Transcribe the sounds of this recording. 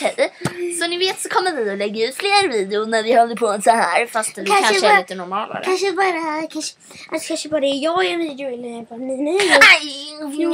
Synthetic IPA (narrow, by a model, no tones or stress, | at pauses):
ɛsɔnɪveːt̪sɔkʰɔmːəvɪɔlɛɡːaʉ̟ːt̪fleːɾviːd̪ɪʊnæɾvɪhɔld̪əpʰosɔhæːɾfast̪kʰanʰaliːt̪ənɔɾmɑːla̰ɾkʰanʂəbɑːɾakʰanʂə̥ | akʰanʂəbɑːɾaɛjɑːɛviːd̪ɪʊɛlːəbɑminad̪